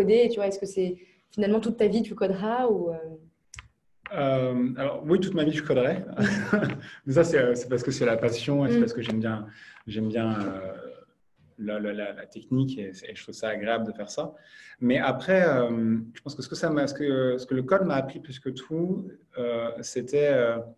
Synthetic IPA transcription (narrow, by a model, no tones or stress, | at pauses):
ɔd̪et̪yvwaɛskəsɛ | finalmɑ̃t̪ut̪ːavit̪ykɔd̪ʁauø | ømalɔʁwit̪ut̪mavit̪y̥kɔd̪ʁɛ | mɛs̬asɛøsɛ̥paʁsə̥kəsɛlapasjɔ̃esɛpaʁsə̥kəʒɛmbjɛ̃ʒɛmbjɛ̃ø | lallala̰t̪ɛknikesɛːʒət̪χuvsaːɡʁeabləd̪əfɛʁsamɛʔapχɛømʒə̥pɑ̃skəsə̥kəsamasə̥kəsə̥kələkɔd̪maːpχiplɛskət̪ʰu | øset̪ɛø